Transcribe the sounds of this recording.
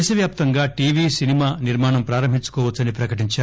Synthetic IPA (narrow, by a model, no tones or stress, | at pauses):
ʃɐʋjaːp̚t̪ɐŋɡaːʈiːʋiːsinimaːniɾmaːɳɐmpɾaːɾɐmbʱiɲt͡ʃu̥kɔːʋɐt̪t͡sːsːɐnipɾɐkɐʈiɲt͡ʃaː